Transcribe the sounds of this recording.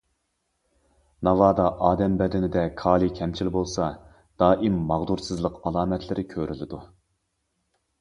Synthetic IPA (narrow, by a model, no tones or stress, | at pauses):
nɑvɑːd̪ɑʔɑːd̪ɛmbɛd̪ɪnɪd̪ɛkʰɑːlˠikʲʰɛmt͡ʃʰilbolˠsɑ | d̪̥ɑːʔimːɑʁd̪uɾsɨzlˠəqɑlˠɑːmɛt̪ʰlɪɾʔɪkʲʰøɾʔylɪd̪u